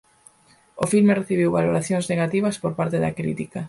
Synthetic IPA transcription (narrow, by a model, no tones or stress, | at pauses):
ofilmereθiβ̞iwβaloɾaθjoŋzneɣat̪iβ̞ɐspoɾpaɾt̪eðɐ̰kɾḭt̪ikɐ